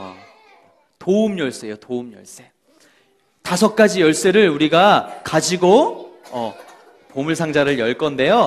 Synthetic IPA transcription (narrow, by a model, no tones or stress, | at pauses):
toumjʌɭs͈e̞jotoumjʌ̰ɭs͈e̞ | tasʰʌk̚k͈ad͡ʑijʌɭs͈e̞ɾɯɭuɾiɡakad͡ʑiɡoʌ | pomuɭsʰaŋd͡ʑaɾɯɭjʌɭk͈ʌnde̞jo